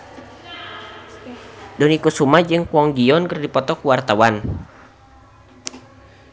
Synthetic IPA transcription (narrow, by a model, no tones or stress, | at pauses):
dɔnikusumad͡ʒɨŋkwɔŋɡiɔnkərdipɔt̪ɔkuwart̪awan